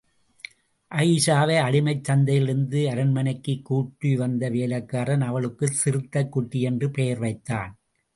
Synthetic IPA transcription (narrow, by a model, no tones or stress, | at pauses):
ʔɐɪsaːʋeːɐɽɪmɐɪt͡ʃːɐnd̪ɐjɪlɪɾɯnd̪ɯɐɾɐnmɐnɐɪkːɯkːuːʈːiʋɐnd̪ɐʋeːlɐkːaːɾɐnɐʋɐɭɯkːɯsɪɾɯt̪ːɐkːʊʈːijɛndrɯpejɐɾʋɐɪt̪ːa̰ːn